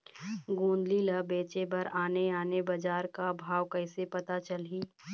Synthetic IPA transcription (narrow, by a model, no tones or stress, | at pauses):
ɡũːnd̪liləbeːt͡ʃebɐɾaːneaːnebɐd͡ʒaːɾkabʱaːʋkəɪsepɐt̪at͡ʃəlɦiː